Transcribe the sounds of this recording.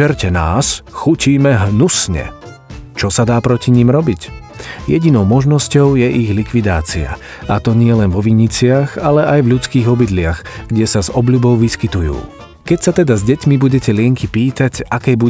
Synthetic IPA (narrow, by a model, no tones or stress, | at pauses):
ɛɾcɛna̰ːsxuciːmɛɦnusɲɛ̰ | t͡ʃɔsad̪aːpɾɔciɲiːmɾɔbic | jɛɟinɔʊmɔʒnɔscɔʊjɛʔiɣlikʋid̪aːt͡sia̰ | at̪ɔɲɪɛlɛnvɔʋiɲit͡sɪaɣalɛʔajvʎut͡skiːɣɔbid̪lɪaɣɡ̥ɟɛsazɔbʎubɔʊʋiskit̪ujṵː | kɛcsat̪ɛd̪azɟɛcmibuɟɛcɛlɪɛŋkipiːt̪acakɛjbu